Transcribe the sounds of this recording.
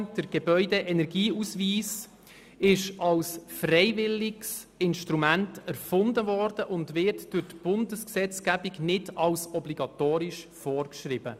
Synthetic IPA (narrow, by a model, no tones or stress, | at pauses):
d̥əɾɡ̥ebœʏdɛʔɛnɛɾɡiːusviːs | ɪʃɑlsfrɛɪvɪlɪks | ɪnʃtɾumæntæɾfʊndəvɔrd̥əʔʊndvɪɾtd̥ʊɾtb̥ʊndəsksɛt͡sɡ̥æbiɡnɪtɑlsɔbliɡɑt̪oːɾɪʃfɔːrkʃɾɪb̥ə